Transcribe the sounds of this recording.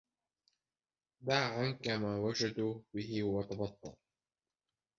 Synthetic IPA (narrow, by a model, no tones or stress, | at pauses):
b̪aːʕankamaːwad͡ʒad̪uːbɪɦɪʊwat̪ɑbɑt̪ˤːɑ̰l